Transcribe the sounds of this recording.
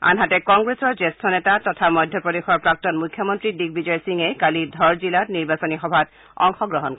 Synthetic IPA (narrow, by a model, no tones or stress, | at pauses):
a̰nɦatɛkɔŋɡɹesɔɹzestʰɔnɛtatɔtʰamɔjdʱjɔpɹɔdexɔɹpɹak̚tɔnmujkʰːjɔmɔntɹidik̚bizɔjsiŋɛkalidʱɔɹzilatniɹbasɔnixɔbʱat̚ | ɔ̰ŋxɔɡɹɔɦɔnk